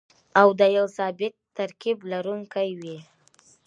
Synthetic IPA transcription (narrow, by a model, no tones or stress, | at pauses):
awd̪əjawsɑbɪk̚t̪aɾkiblaɾuŋkajwi